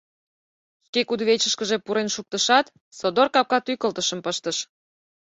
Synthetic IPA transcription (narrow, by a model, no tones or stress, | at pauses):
ʃkekud̪βet͡ɕəʃkəʒepuɾenʃuk̚t̪əʃɑt̪ | sod̪orkɑp̚kɑt̪yjkəlt̪əʃəmpəʃt̪əʃ